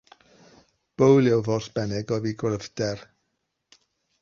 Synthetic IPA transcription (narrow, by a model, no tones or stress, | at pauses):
b̥owlˠjɛwvɔsb̥ɛnɛɡɔviːɡrəvdɛr